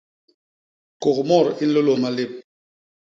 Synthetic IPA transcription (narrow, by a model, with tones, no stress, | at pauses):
ko˨kmɔ˦˨ɾi˦n̩˦lo˦lo˨ma˦le˦˨p̚